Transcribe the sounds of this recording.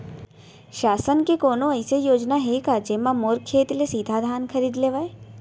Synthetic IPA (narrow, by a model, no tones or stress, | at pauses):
ʃaːsənkekoːnõɐjsejoːd͡ʒnaɦekad͡ʒemãmoːɾkʰːeːt̪lesid̪ʱad̪ʱaːnkʰəɾiːd̪leːʋae